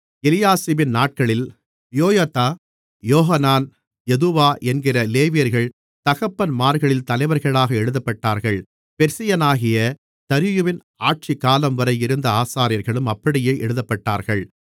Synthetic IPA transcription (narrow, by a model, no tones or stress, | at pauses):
ɛlɪjaːsibɪnnaːʈ̚kɐɭɪl | joːjat̪aː | joːɦɐnaːn | jɛðɯʋaːʔɛnɡɪrɐleːʋɪjɐɾɣɐɭ | t̪ɐɣɐpːɐnmaːɾɣɐɭɪlt̪ɐlɐɪʋɐɾɣɐɭaːɣɐɛɽɯðɐpːɐʈːaːɾɣɐɭ | pɛɾsɪjɐnaːɣɪjɐ | t̪ɐɾɪjɯʋɪn | aːʈ̚t͡ʃɪkːaːlɐmʋɐɾɐjɪɾɯnd̪ɐaːsaːɾɪjɐɾɣɐɭɯmɐpːɐɽɪjeːʔɛɽɯðɐpːɐʈːaːɾɣɐɭ